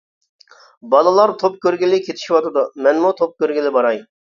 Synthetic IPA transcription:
bɑlˠɨlˠɑɾt̪ʰop̚kʲøɾɡʲɪlɪkʲʰet̪ʰi̥ʃiwɑt̪ɨd̪umɛnmut̪ʰop̚kʲøɾɡʲilɪbɑɾɑj

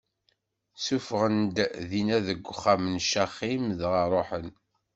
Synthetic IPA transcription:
sufʁənd̪ðinæðəɡʷːχːamənʃaχimðʁəɾˤoħən

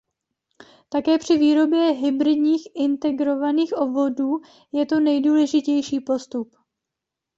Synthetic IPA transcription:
t̪akɛːpr̝̥ɪviːɾo̞bjɛɦɪbɾɪdɲiːxʔɪnt̪ɛɡɾo̞vaniːxʔo̞bvo̞duː | jɛt̪o̞nɛjduːlɛʒɪcɛjʃiːpo̞st̪up

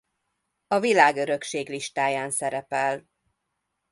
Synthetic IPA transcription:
ɒvilaːɡø̞ɾø̞kʃeːɡliʃt̪aːjaːnsɛɾɛpɛl

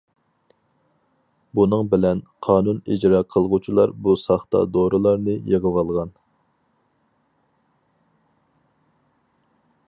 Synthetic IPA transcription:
bunɨŋbɪlɛnqʰɑːnunid͡ʒɾɑːqʰəlˠʁut͡ʃʰilˠɑɾbusɑχt̪ɑ̰d̪oɾʔɨlˠɑɾnɨjeʁəwɑlˠʁɑn

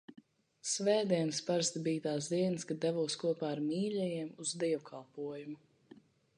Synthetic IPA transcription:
svɛːd̪iɛnspaɾst̪biːt̪aːs̬d̪iɛnɨskad̪ɛvuːskuɔpaːɾmiːlʲɛjiɛmuzd̪iɛwkʰalˠpuɔjumu

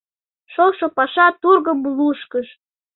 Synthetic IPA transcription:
ʃolʃopɑʃɑt̪urɣəmluʃkəʃ

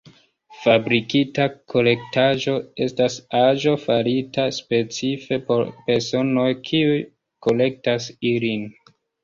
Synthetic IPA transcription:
fabɾikitakʰo̞le̞k̚taʒo̞e̞stasaʒo̞faɾitʰaspe̞t͡sife̞po̞̰ɾpe̞ɾso̞no̞jkʰiuj | ko̞le̞k̚tasilin

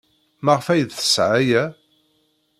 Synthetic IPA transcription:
maʁfæjðθə̥sʕajæ

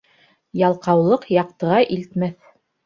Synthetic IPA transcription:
jɑlˠqɑwlˠɤqjɑq̚t̪ɤ̆ʁɑʔilt̪mæθ

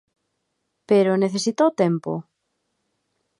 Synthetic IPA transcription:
peɾoneθesit̪owt̪empo̰

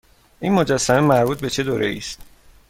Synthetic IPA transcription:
ʔinmod͡ʒæsːæmemæɾbuːt̪̚be̞t͡ʃʰe̞d̪oːɾʔe̞̰ḭːst̪

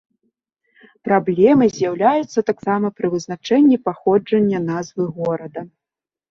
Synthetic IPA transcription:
pɾablʲɛmɨzʲjawlʲajut̪sːɐt̪aksamɐpɾɨvɨznat͡ʂɛnʲːipaxɔd͡ʐɐnʲːɐnazvɨɣɔɾɐd̪ɐ

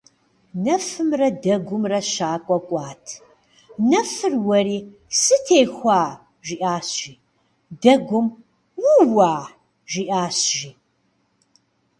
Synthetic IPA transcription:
nɐfɨmrɐdɐɡʷʊmrɐɕaːkʷʼɔkʷʼaːtʰ | nɐfɨrwɐɾiː | sɨtʰeːxʷaː | ʒiʔaːɕʒiː | dɐɡʷʊm | wuwaː | ʒiːʔaːɕʒiː

